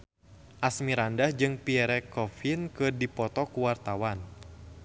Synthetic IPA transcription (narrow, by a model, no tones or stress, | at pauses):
ʔasmiɾandahd͡ʒɨŋpiɛɾɛkɔfinkɨrdipɔt̪ɔkuwart̪awan